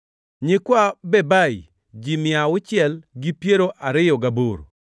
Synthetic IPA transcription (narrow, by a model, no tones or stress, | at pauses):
ɲɪkwabɛbaj | d͡ʒimɪaʊt͡ʃɪɛlɡipjeɾoʔaɾɪjɔɡaboɾ